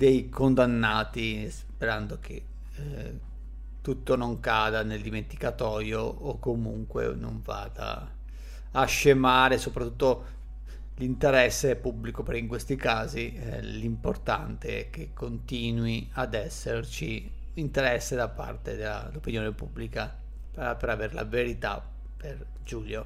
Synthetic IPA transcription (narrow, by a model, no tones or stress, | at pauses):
d̪ejkʰond̪anːaːt̪ispeɾand̪ok̟ʰe | t̪ːut̪ːonoŋkaːd̪aneld̪iment̪i̥kat̪ɔːjoːkːomṵŋkwḛno̰ɱva̰d̪a̰ː | ʃːemaːɾesopɾat̪ːut̪ːo | lint̪eɾɛsːepubːlikopeɾiŋkwest̪ikaːzi | limport̪a̰nt̪eɛ̰k̟ːekʰːont̪iːnwiad̪ɛsːert͡ʃi | int̪eɾɛsːed̪apːa̰rt̪ed̪a̰lopinjoːnepubːlika | papeɾaverla̰veɾit̪a̰ | per | d͡ʒuljo